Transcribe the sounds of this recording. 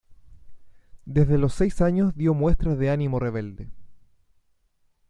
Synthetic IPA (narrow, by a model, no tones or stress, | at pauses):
d̪ezðe̞lo̞sːejsaɲozðjo̞mwe̞st̪ɾazðeanimo̞re̞βe̞ld̪e